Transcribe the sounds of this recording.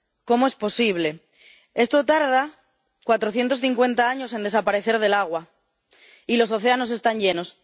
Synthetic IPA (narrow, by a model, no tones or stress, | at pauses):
ko̞moe̞spo̞siβle̞ | e̞st̪o̞t̪aɾða | kwat̪ɾo̞θje̞nt̪osθiŋkwe̞nt̪aaɲo̞se̞nd̪esapaɾe̞θe̞ɾð̞e̞laɣ̞wa | ilo̞s̬o̞θe̞ano̞s̬e̞st̪aɲʝe̞no̞s